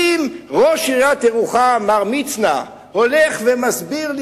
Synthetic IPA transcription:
imʁoʃiʁjat̪eʁuχamaʁmit͡sna̰ | holɛχvemasbiʁl

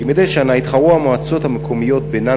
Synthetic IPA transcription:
imed̪eʃeanait̪χaʁuamoat͡so̞thamekʰo̞mijo̞t̪bena

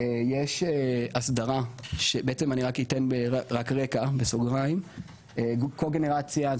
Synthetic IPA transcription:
ejeʃeasdaʁaʃebeet͡semaniʁakitenbeaʁakʁekabesoɡʁaim | ekolɡene̞ʁat͡sja

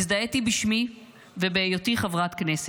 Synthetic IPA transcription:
zd̪aetibiʃmi | vebeːjotiχavʁatknes

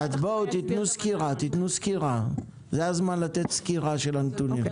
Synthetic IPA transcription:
azbout̪it̪nuskiʁat̪it̪nuskiʁa | zeazmanlat̪et̪skiʁaʃelant̪unim

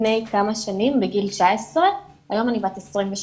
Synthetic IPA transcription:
nejkamaʃanimbeɡilt͡ʃaesʁe | ajo̞manibatesʁimveʃ

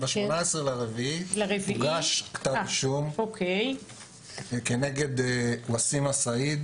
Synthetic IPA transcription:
beʃmonaesʁelaʁeviilaʁeviɡaʃkt̪aʃumokʰej | kene̞ɡe̞d̪wasimasaid̪

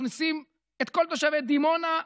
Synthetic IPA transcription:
nisim | et̪̚ko̞lt̪oʃaved̪imo̞na

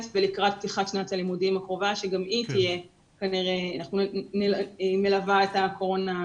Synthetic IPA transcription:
tbelikʁat̚p̚t̪iχaʃnatalimudimakʁo̞vaʃe̞ɡamitije̞ | kaniʁe̞anaχnunemelavaetako̞ʁo̞na

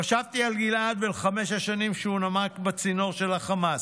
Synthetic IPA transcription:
aʃavt̪ialɡilad̪velχameʃaʃanimʃeunamakbat͡sino̞ʁʃe̞laχamas

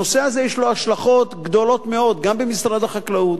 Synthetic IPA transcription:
oseazejɛʃloaʃlaχo̞t̪ɡd̪o̞lo̞t̪me̞o̞d̪ɡambemisʁad̪aχaklaut̪

